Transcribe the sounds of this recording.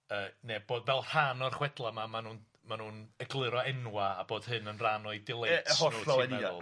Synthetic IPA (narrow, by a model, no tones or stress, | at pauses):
əːneb̥oːdvɛlˠr̥anɔrχwɛdlˠamamanuːn | manuːnəɡlˠɨɾɔɛnwaaboːd̥hɨnənranɔɨdɪlˠethɔnovɔnmɛa̰lˠ